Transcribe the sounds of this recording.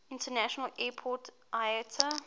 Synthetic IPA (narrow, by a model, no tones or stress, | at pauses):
ɪ̃ntənæʃɔnəlʔɛːpʰɔt | ʔajətʰə